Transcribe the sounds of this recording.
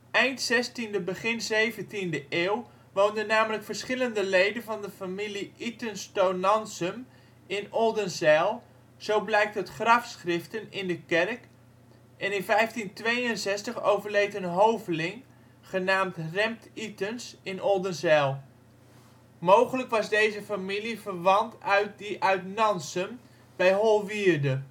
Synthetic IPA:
ɛjntsɛstindəbəχɪnzejvəntindəʔeːw | ʋowndənːaːmələkfərsχɪləndəlejdənvɑndəfamiliʔitənstownɑnsəm | ɪnɔlˠdənzɛːlˠ | z̥owblɛjk̚tɦətχrɑfsχrɪftənɪndəkɛrk | ʔɛnɪnfɛjftintʋejənsɛstəχo̰wvərlejtənɦowvlɪŋ | χənaːmtrɛmtitənsɪnʔɔdənzɛlˠ | mowχələkʋɑzdejzəfamilifərʋɑntœɥt̚diʔœɥtnɑnsəm | b̥ɛjɦolˠʋiːrdə

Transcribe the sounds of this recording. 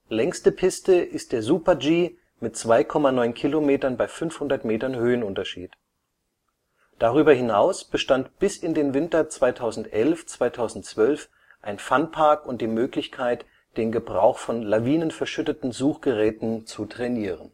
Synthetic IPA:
lɛŋstəpʰɪstəʔɪst̚d̥eːɐzuːpɐd͡ʒiː | mɪtt͡sv̥aɪkʰɔmanɔʏnkʰilomeːtɐnbaɪfʏnfhʊndɐtmeːtɐnhøːənʊntɐʃḭːt | d̥aʁyːbɐhɪnaʊsb̥əʃtantb̥ɪsɪndeːnvɪntɐt͡sv̥aɪtʰaʊzn̩tʔɛlft͡sv̥aɪtʰaʊzn̩tt͡sv̥œlf | ʔaɪnfanpʰaɐkʊnt̚d̥iːmøːklɪçkʰaɪt | d̥eːnɡəbʁa̰ʊxfɔnlaviːnənfɛɐʃʏtətn̩zuːχɡ̥əʁɛːtn̩t͡sutʁ̥ɛniːʁən

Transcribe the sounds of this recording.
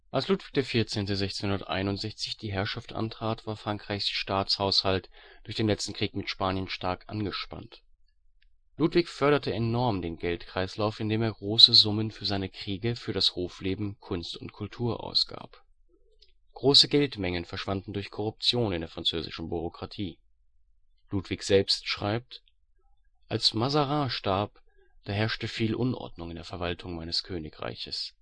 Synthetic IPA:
ʔalsluːtv̥ɪç̚d̥eːɐfɪɐt͡seːntəzɛçt͡senhʊndɐtʔa̰ɪnʊntz̥ɛçt͡sɪçd̥iːɦɛɐʃaftʔa̰ntʁ̥aːtv̥aːɐfʁ̥aŋkʁ̥aɪçsʃtaːt͡shaʊshaltd̥ʊɐçd̥eːnlɛt͡stn̩kʁ̥iːkmɪtʃpaːnjənʃtaɐkʔa̰nɡəʃpa̰nt | luːtv̥ɪçfœɐɾɐtəɛnɔɐmdeːnɡɛltkʁ̥aɪslaʊfɪndeːmeːɐɡʁoːsəzʊmənfyːɐzaɪnəkʁ̥iːɡəfyːɐɾashoːfleːbm̩kʰʊnstʊ̰ntkʰʊltʰuːɐʔa̰ʊsɡ̥a̰ːp | ɡ̥ʁoːsəɡɛltmɛŋənfɛɐʃv̥andn̩dʊɐçkʰɔʁʊp̚t͡sjoːnɪndeːɐfʁ̥ant͡søːzɪ̰ʃn̩byʁ̞okʁ̥atʰiː | luːtv̥ɪçz̥ɛlpstʃʁ̥aɪp̚t | ʔalsmazaʁaːʃtaɐp | d̥aːɦɛɐʃtəfiːlʔʊnʔɔ̰ɐdnʊŋɪndeːɐfɛɐvaltʰʊŋmaɪnəskʰøːnɪkʁ̥a̰ɪçəs

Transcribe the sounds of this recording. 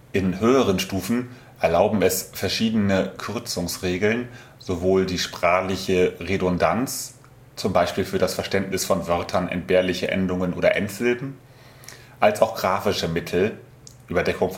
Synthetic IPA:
ʔɪnhøːəʁ̞ənʃtuːfn̩ | ʔɛɐlaʊbm̩ɛsfɛɐʃiːdənəkʰʏʁt͡sʊŋsʁeːɡl̩n | z̥ovoːldiːʃpʁ̥aːχlɪçəʁedɔndant͡s | t͡sʊmbaɪʃpiːlfyːɐɾasfɛɐʃtɛntnɪsfɔnvœɐtʰɐnʔɛ̰nt̚b̥eːɐlɪçəʔɛ̰ndʊŋənʔo̰ːɾɐ̰ʔɛntz̥ɪldn̩ | ʔalsaʊxɡ̥ʁaːfɪʃəmɪtʰl̩ | ʔyːbɐdɛkʊŋf

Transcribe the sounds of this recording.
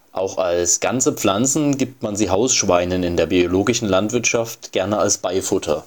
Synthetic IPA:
ʔaʊxalsɡ̥ant͡səp͡flant͡sn̩ɡiːp̚tmanziːɦaʊsʃv̥aɪnənɪndeːɐbioloːɡɪʃn̩lantv̥ɪɐtʃaftɡ̥ɛɐnəalsb̥aɪfʊtʰɐ̰

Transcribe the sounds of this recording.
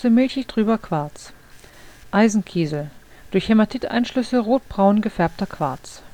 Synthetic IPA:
əmɪlçɪçd̥ʁyːbɐkʰv̥aɐt͡s | ʔaɪzn̩kʰiːzl̩d̥ʊɐçhɛmatʰɪtʔa̰ɪnʃlʏsəʁoːt̚b̥ʁaʊnɡəfɛɐp̚tɐkʰv̥aɐt͡s

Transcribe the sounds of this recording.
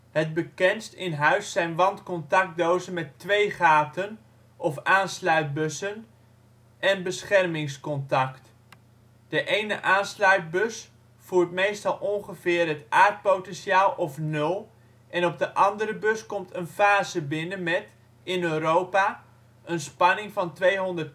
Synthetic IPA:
həd̚bəkɛnstɪnɦœɥsɛjnʋɑntkɔntɑk̚dowzəmɛtʋejχaːtən | ʔɔfaːnslœɥt̚bøsən | ʔɛnbəsχɛrmɪŋskɔntɑkt | d̥əʔejnə̰ʔaːnslœɥt̚bøs | fuːɹtmejstɑlˠɔŋχəvɪːrɦətaːɹt̚powtɛnʃaːlˠɔfnɵlˠ | ʔɛnɔb̚dəʔɑndəɾəbɵskɔmtʰənfaːzəbɪnənmɛt | ɪnøːɾowpa | ənspɑnɪŋfɑntʋejɦɔndərt

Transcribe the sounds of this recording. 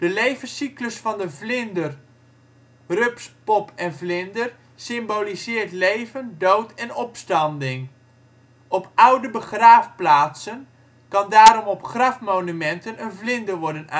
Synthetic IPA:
d̥əlejvəsikləsfɑndəvlɪndər | røpspɔpʰɛnvlɪndər | sɪmbolizɪːɹtlejvəndowtʰɛnɔpstɑndɪŋ | ɔpʰʌwdəbəχraːfplaːtsən | kɑndaːɾɔmɔpχrɑfmownymɛntənənvlɪndəɹʋɔɹdəna

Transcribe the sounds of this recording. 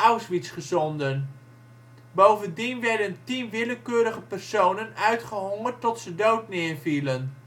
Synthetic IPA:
awsʋitsχəzɔndən | bowvəndinʋɛɹdəntinʋɪləkøːɾəχəpərsownənœɥtχəɦɔŋərtɔtsədowtnɪːɹvilən

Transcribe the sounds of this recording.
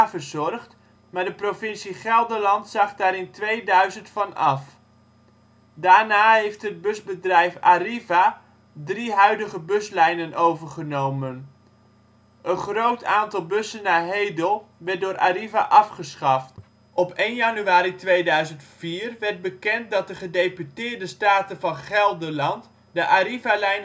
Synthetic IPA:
avəɹzɔrχt | maːɹdəprovɪnsiχɛlˠdərlɑntsɑχdaːɾɪntʋejdœɥzəntfɑnɑf | daːɹnaːɦejftəd̚bɵzbədrɛjfariva | driɦœɥdəχəbɵslɛjnənʔowvərχənowmən | ʔənχrowtʰaːntɑlˠbøsənːaːɦejdəlˠʋɛrt̚dʊːɾʔaːɾiva̰ʔɑfχəsχɑft | ʔɔpejnjɑnyaːɾitʋejdœɥzəntfiːrʋɛɹt̚bəkɛnt̚dɑt̚dəχədejpytɪːɹdəstaːtəvɑnχɛlˠdəlɑnt | dəʔaɾivalɛjn

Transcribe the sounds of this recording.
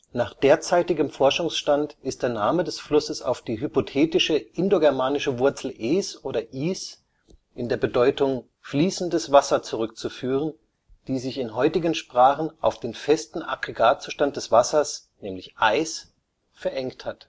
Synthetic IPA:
naːχd̥eːɐt͡saɪtɪɡəmfɔɐʃʊŋsʃtantɪst̚d̥eːɐnaːmədɛsflʊsəsa̰ʊfd̥iːɦypotʰeːtɪʃəʔɪndoɡɛɐmaːnɪʃəvʊɐt͡sl̩ʔeːsʔoːɾɐʔiːs | ʔɪndeːɐbədɔʏtʊŋ | fliːsn̩dəsv̥asɐt͡suʁʏkt͡sufyːʁ̞ən | d̥iːzɪçɪnɦɔʏtɪɡənʃpʁ̥aːχn̩ʔa̰ʊfd̥eːnfɛstn̩a̰ɡʁeɡaːt̚t͡suːʃtant̚d̥ɛsv̥asɐsnɛːmlɪçʔaɪs | fɛɐʔɛŋkthat

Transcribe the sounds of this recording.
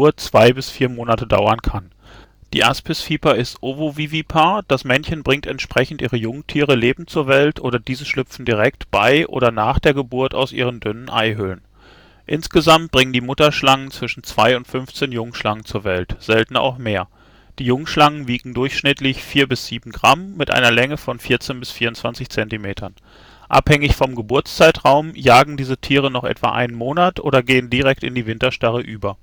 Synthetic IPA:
ɐt͡sv̥aɪbɪsfiːɐmoːnatəda̰ʊɐnkʰan | d̥ḭːʔaspɪsfiːpɐɪstʔovovivipʰaːɐd̥asmɛnçənbʁɪŋtɛntʃpʁ̥ɛçn̩tʔiːʁəjʊŋtʰiːʁ̞əleːbm̩t͡suːɐvɛltʰʔoːɾɐdiːzəʃlʏpp͡fn̩diʁ̞ɛk̚tb̥a̰ɪʔo̰ːɾɐnaːχd̥eːɐɡəbʊɐta̰ʊsʔḭːʁ̞əndʏnənʔa̰ɪɦʏlən | ʔɪnsɡ̥əzamt̚b̥ʁɪŋəndiːmʊtɐʃlaŋənt͡sv̥ɪʃn̩t͡sv̥aɪʊntfʏnft͡seːnjʊŋʃlaŋənt͡suːɐvɛltz̥ɛltn̩a̰ʊxmeːɐ | d̥iːjʊŋʃlaŋənviːɡŋ̩dʊɐçʃnɪtlɪçfiːɐbɪsz̥iːbm̩ɡʁamːɪtʔa̰ɪnɐlɛŋəfɔnfiːɐt͡seːnbɪsfiːɐʊntt͡sv̥ant͡sɪçt͡sɛntimeːtʰɐn | ʔa̰phɛŋɪçfɔmɡəbʊɐt͡st͡saɪtʁaʊmjaːɡŋ̩diːzətʰiːʁ̞ənɔχʔɛ̰tv̥a̰ːʔa̰ɪnənmoːnatʔo̰ːɾɐɡeːəndiʁɛk̚tɪ̰ndiːvɪntɐʃtaʁəʔyːbɐ

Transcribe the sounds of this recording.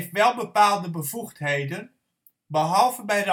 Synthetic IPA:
ftʋɛlˠbəpaːlˠdəbəv̥uχtɦejdən | bəɦɑlˠvəbɛjɾə

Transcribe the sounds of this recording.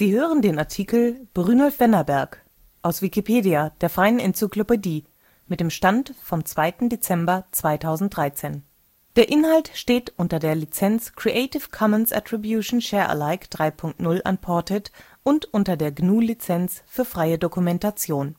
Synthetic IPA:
z̥iːhøːʁ̞əndeːnaɐtʰikl̩b̥ʁyːnɔlfv̥ɛnɐbɛɐk | ʔaʊsv̥ikipʰeːdiad̥eːɐfʁ̥aɪənɪnt͡syklopediː | mɪt̚d̥eːmʃtantfɔmt͡sv̥aɪtn̩det͡sɛmbɐt͡sv̥aɪtʰaʊzn̩t̚d̥ʁaɪt͡seːn | d̥eːɐʔɪnhaltʃteːtʔʊntɐdeːɐlit͡sɛnt͡skʁ̥iʔeɪtɪfkʰɔmənsʔa̰tʁ̥ibjuʃn̩ʃɛːɐʔə̰laɪkd̥ʁaɪpʰʊŋk̚tnʊlʔa̰npʰɔɐtʰɛt | ʔʊntʔʊntɐdeːɐɡnuːlit͡sɛnt͡sfyːɐfʁ̥aɪədokumɛntat͡sjoːn

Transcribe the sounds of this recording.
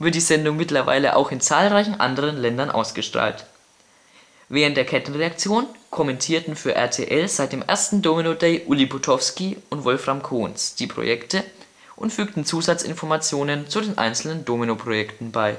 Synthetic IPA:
v̥ɪɐt̚d̥iːzɛndʊŋmɪtlɐva̰ɪləʔa̰ʊxɪnt͡saːlʁaɪçn̩ʔa̰ndəʁ̞ənlɛndɐnʔa̰ʊsɡ̥əʃtʁ̥a̰ːlt | vɛːʁəntd̥eːɐkʰɛtn̩ʁeakt͡sjoːnkʰɔmɛntʰiːɐtn̩fyːɐʔɛ̰ɐtʰḛːʔɛlz̥aɪt̚d̥eːmʔḛːɐstn̩doːminodeːʔʊlibutʰɔfskiʔʊntvɔlfʁ̥amkʰoːnsd̥iːpʁ̥o̰jɛktʰə | ʔʊntfyːktn̩t͡suːzat͡sɪ̰nfɔɐmat͡sjoːnənt͡sudeːnʔa̰ɪnt͡sl̩nəndoːminopʁ̥ojɛktn̩baɪ

